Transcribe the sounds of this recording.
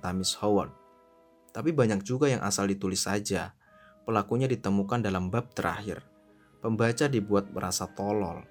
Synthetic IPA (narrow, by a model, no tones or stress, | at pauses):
t̪amɪshowɔn̚ | t̪apibaɲak̚d͡ʒuɡajaŋʔa̰saldit̪ulɪsad͡ʒa | pəlakuɲadit̪əmukandalambap̚t̪əɾa̰hɪ̰r | pəmbat͡ʃadibuat̪̚bəɾasat̪ɔlɔ̰l